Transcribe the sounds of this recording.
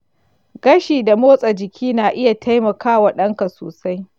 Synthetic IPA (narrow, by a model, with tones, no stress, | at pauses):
ɡɐ˦ʃiː˨da˨moː˦sʼɐ˨d͡ʒɪ˨kʲʰiː˦naː˨ʔɪ˦ja˨tʰa˦jmɐ˨kaː˦wa˨ɗɐ˦ŋka˨so̰ː˨sa˦j